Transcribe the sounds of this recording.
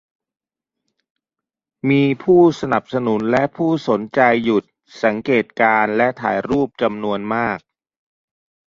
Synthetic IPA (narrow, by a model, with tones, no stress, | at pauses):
miː˧pʰuː˥˩sa˧na˨˩p̚sa˧nu˩˦nlɛ˦˥ʔpʰuː˥˩so˩˦nt͡ɕa˧jːu˨˩t̪̚ | sa˩˦ŋkeː˨˩t̪̚kaː˧nlɛ˦˥ʔt̪ʰa̰ː˩˦jɾuː˥˩p̚t͡ɕa˧mnu˧ənmaː˥˩k̚